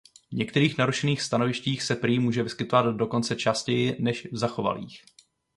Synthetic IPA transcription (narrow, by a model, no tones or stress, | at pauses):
vɲɛkt̪ɛɾiːxnaɾuʃɛniːxst̪ano̞vɪʃciːxsɛpɾiːmuːʒɛvɪskɪt̪o̞vad̪do̞ko̞nt͡sɛt͡ʃascɛjɪnɛʃvzaxo̞va̰lḭːx